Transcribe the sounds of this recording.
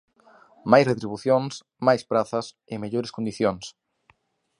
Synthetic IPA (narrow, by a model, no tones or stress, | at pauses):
majsret̪ɾiβuθjoŋs | majspɾaθɐs | ɪmeʎoɾeskond̪iθjoŋs